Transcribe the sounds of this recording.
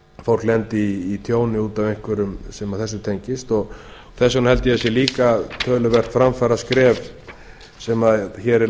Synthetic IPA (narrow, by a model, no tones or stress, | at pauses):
fowl̥klɛnt̪ɪiːt̪ʰjoːwnɪuːt̪avejŋkvʏɾʏmsɛmaðθɛsːʏt̪ʰeɲcɪst̪ɔɣ | θɛsːanhɛlt̪ɪɛsjɛliːkat̪ʰœːlʏvɛr̥t̪fɾamfaɾaskɾɛːv | sɛmaðçɛːɾɪ